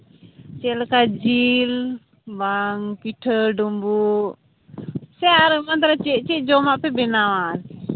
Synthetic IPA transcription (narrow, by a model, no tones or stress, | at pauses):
t͡ʃɛlkad͡ʒil | baŋpiʈʰəɖɔmbuʔ | sɛaɾəmant̪aɾat͡ʃɛʔt͡ʃɛʔd͡ʒɔmaʔpɛbɛnawan